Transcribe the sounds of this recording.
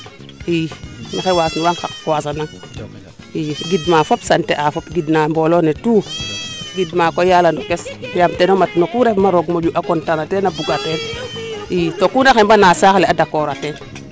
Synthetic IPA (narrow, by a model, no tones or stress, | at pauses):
inaxewasnuwaŋxakwas̬anaŋ | iɡidmafopsanteʔafopɡidnambolonetu | ɡidmakojalandokesjamtenomatnokuɾefmaɾoɡmod͡ʒuʔakontanatenabuɡatenitokunaxembanasakleadakoɾaten